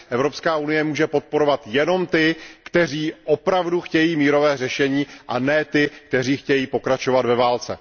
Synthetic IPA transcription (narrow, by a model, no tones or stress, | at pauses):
ʔɛvɾo̞pskaːʔunɪjɛmuːʒɛpo̞t̪̚po̞ɾo̞vat̪jɛno̞mt̪ɪkt̪ɛr̝iːʔopɾavduxcɛjiːmiːɾo̞vɛːrɛʃɛɲiːʔanɛt̪ɪk̚t̪ɛriːxcɛjiːpo̞kɾat͡ʃo̞vad̪vɛvaːlt͡sɛ̰